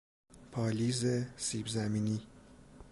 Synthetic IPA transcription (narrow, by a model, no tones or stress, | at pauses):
pʰɒːliːzesiːbzæmiːniː